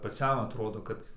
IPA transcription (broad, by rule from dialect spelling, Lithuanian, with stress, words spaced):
pɐˈt͡sʲɛm ɐtˈroːdoː ˈkɐt